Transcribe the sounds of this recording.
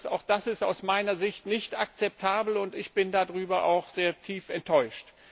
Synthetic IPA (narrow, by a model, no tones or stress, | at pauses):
sa̰ʊxd̥asɪsta̰ʊsmaɪnɐzɪçtnɪçtak̚t͡sɛp̚tʰaːbl̩ʊntɪçb̥ɪndadʁyːbɐʔa̰ʊxz̥eːɐtʰiːfɛntʰːɔʏʃt